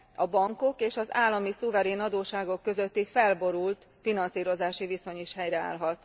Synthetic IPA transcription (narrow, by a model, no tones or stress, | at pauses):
ɒbɒŋko̞keːʃɒzaːlːɒmisuvɛɾeːnɒd̪oːʃaːɡo̞kːø̞zøt̪ːifɛlbo̞ɾult̪ | finɒnsiːɾo̞zaːʃiviso̞ɲiʃhɛjrɛa̰ːlɦɒt̪